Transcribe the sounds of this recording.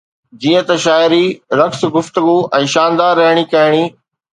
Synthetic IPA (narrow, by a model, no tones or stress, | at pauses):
d͡ʑiːə̃t̪ɐʃaːjɪɾiɾɐks̆ɡʊft̪əɡuɛ̃ːʃaːnd̪aːɾːɐɦɪɽ̃ikɐɦɪɽ̃iː